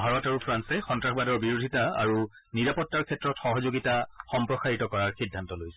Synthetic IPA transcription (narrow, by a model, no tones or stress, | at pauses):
bʱaɹɔtaɹupʰɹansɛxɔntɹaxbadɔɹbiɹodʱitaa̰ɹu | niɹapɔtːaɹkʰɛtːɹɔtxɔɦɔzoɡitaxɔmpɹɔsaɹitɔkɔɹaɹxidʱːantɔlojsɛ̥